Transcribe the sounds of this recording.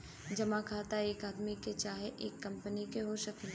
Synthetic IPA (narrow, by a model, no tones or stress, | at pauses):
d͡ʒɐmakʰaːt̪aeːkaːd̪miket͡ʃaːɦeʔeːkːɐ̃mpənikeɦoʃəkn